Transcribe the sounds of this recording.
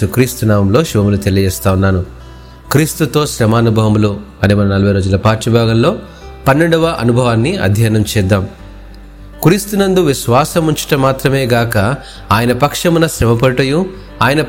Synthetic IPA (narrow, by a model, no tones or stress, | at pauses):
ukɾiːst̪unaːmɐmlo̞ːʃubɐmulut̪elijɐd͡ʒɛːst̪aːwunːaːnu | kɾiːst̪ut̪o̞ːʃɾɐmaːnubʱɐʋɐmlu | ɐnimɐnɐnɐlɐbʱɐjɾoːd͡ʒulɐpaːʈʂɐbʱaːɡɐmlo̞ː | pɐnːeɳɖuʋɐʔɐ̰nubʱɐʋaːnːiɐ̰d̪ʱjaːnɐmt͡ʃɛːd̪ːaːm | kɾiːst̪unɐnd̪uʋiʃʋaːsɐmuɲt͡ʃi̥ʈɐmaːt̪ɾɐme̞ːɡaːkɐ | aːjɐnɐpɐkʂɐmunɐʃɾɐmɐpɐɽʈɐju | aːjɐnɐ